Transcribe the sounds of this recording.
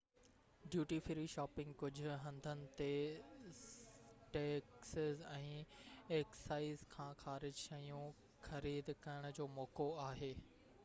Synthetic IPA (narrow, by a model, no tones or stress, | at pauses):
ɖjuːʈifɪɾiʃaːpɪ̃ŋɡ̚kʊd͡ʑʱʊ̆ɦɐ̃nd̪ʱənɪ̆t̪e | ʈeːksɪzɛ̃ːeːkssaːɪzkʰãːxaːɾɪd͡ʑʃɐjũ | xɐɾiːd̪kɐjəɽ̃ʊd͡ʑoːmɔːkoaːɦeː